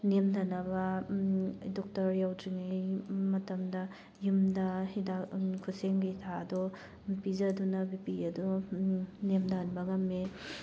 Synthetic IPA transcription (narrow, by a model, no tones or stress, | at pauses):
nemdʰanɐbɐ | dɔk̚tɐɾjawdɾiŋijmɐtɐmdɐ | jumdɐhidakʰuseŋɡitʰaɐdɔ | pizɐdunɐbipiɐdu | nemdanbɐŋɐmːe